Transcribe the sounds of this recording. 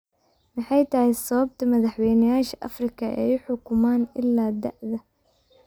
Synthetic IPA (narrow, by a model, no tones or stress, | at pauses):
mɪħɑjt̪ʰɐhɪsɐβɐb̚t̪ʰɐmɐðɐħwɛjnɐjaːʃɐʔɐ̰frɪkʰɐɛ̰jʊħʊkʰʊmaːnɪlːaːd̪ɐʔðɐ